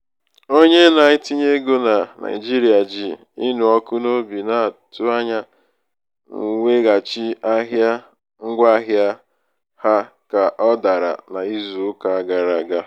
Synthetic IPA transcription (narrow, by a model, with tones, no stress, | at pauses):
o˦ɲe˦na˨ɲɪ˦ti˦ɲe˦ɡo˦na˨na̰˨ɪ˨d͡ʒi˦ɾi˨a˨d͡ʒi˨ | i˦nu˨ɔ˦kʊ˦no˦bi˨na˦˨tʊ˦a˦ɲa˦ | ŋ̩˨ŋʷe˦ɣa˨t͡ʃi˦a˦ɦja˦ | ŋ̩˦ɡʷa˦ɦja˦ | ha˦ | ka˨ʔɔ˦da˨ɾa̰˨na˨i˦zu˨ʊ˦ka˨a˦ɡa˨ɾa˨ɡa˦